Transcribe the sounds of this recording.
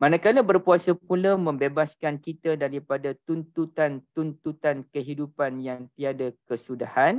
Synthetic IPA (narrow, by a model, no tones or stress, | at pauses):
manakaləbərpuasəpulamə̃mbebaskankit̪adaɾipadat̪unt̪ut̪ant̪unt̪ut̪ankəɦidupanjaŋt̪iadakəsudahan